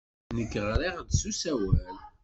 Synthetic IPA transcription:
nəɡːʁɾiʁd̪susæwæl

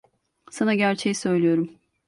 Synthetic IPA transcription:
sanaɟæɾt͡ʃʰejisø̞jlʲijo̞ɾum

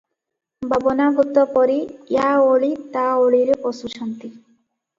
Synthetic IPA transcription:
babɔnabut̪ːɔpɔɾijaoɭit̪aoɭiɾpɔsuʃʰɔnt̪i

